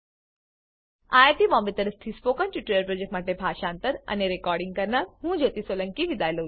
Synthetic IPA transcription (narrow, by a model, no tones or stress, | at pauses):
aːjt̪ibɔ̃ːmbit̪əɾəst̪ʰispoːkə̃nt͡ɕuʈɾeːjəɾpɾoːd͡ʒekʈmaːʈebʱaːʃaːnt̪əɾɐ̰neɾekɔːɾɖɪŋɡkɐɾnaɾɦũːd͡ʒot̪isoːlə̃ŋkiʋid̪aːjlu